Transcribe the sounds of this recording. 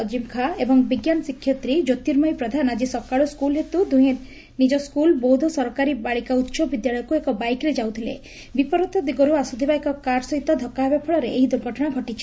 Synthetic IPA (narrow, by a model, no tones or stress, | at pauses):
ɔd͡ʒimkʰaebɔŋbiɡjanɔsikʰːjɔt̪ɾid͡ʒot̪iɾmajpɾɔd̪ʱanad͡ʒisɔkaɭuskulɦet̪ud̪uj̃e | nid͡ʒɔskulbɔwd̪ʱɔsɔɾɔkaɾibaɭikaut̪ːsɔbid̪jaɭɔjɔkuekɔbajkɾed͡ʒawt̪ʰilḛ | bipɔɾɔt̪ɔd̪iɡɔɾuasud̪ʱibaekɔkaɾsɔɦit̪ɔd̪ʱɔkːabepʰɔɭɔɾeeɦid̪uɾɡʱɔʈʰɔɽ̃aɡʱɔʈit͡ʃʰi̥